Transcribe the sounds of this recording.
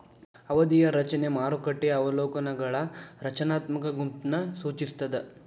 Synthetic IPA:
ɐʋɐd̪ijɐɾɐt͡ʃɐne̞maːɾukɐʈːɛjɐːʋɐloːkɐnɐɡɐɭɐɾɐt͡ʃɐnaːt̪mɐkɐɡumt̪nɐsuːt͡ʃist̪ɐd̪e

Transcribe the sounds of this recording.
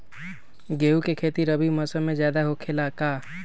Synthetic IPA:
ɡeːukekʰeːt̪iɾəbʱiməsəmẽzjaːd̪aɦokʰelakaː

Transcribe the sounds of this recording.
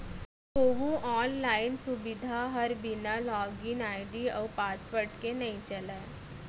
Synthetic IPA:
koʋũʔɔːnlainsubid̪ʱaɦəɾbinalɔɡinajɖiəwpasʋəɾʈkenəĩt͡ɕəla

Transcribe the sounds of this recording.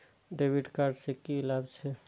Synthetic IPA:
ɖebiɖkaɾɖsekilabt͡ʃʰɛ

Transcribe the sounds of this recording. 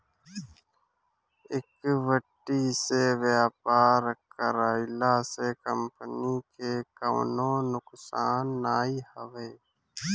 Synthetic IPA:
ɪkʋəʈːiːseʋaːpaːɾkəɾaːɪlaːsekəmpənikekə̰wnõːnʊksaːnːaːihəʋeː

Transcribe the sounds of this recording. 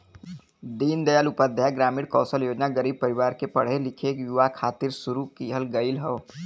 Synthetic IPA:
d̪iːnd̪əjalʊpəd̪ʱjaɡɾaːmiːɽkɔːsəljoːd͡ʒnaɡəɾiːb̚pəɾɪwaːɾkepəɽ̤elɪkʰekjuʋakʰaːt̪ɪɾsʊɾukiɦəlɡəɪlɦoː

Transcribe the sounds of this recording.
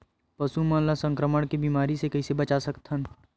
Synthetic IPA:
pɐsumə̃lasə̃ŋkɾəməɽ̃kibiːmaːɾisekɐisebɐt͡ʃasɐkt̪ən

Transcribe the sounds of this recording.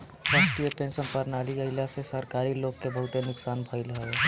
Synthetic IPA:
ɾaːsʈijəpẽnsənpəɾnaːliəɪlasesəɾkaːɾiloːɡ̚kebəɦʊt̪enʊksaːnbʱəɪlɦəe

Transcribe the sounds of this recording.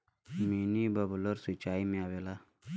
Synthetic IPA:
minibɐbloɾsit͡ʃaːimẽaʋeːlaː

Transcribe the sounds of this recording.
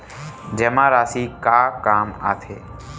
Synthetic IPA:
d͡ʒəmãːɾaːsiːkaːkaːma̰ːt̪ʰeː

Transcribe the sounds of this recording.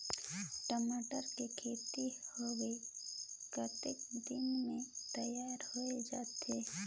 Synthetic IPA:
ʈəmaːʈəɾkekʰeːt̪ihoɡəi | kat̪eːkd̪ɪnmẽt̪ɐjaːɾhoed͡ʒaːt̪eː

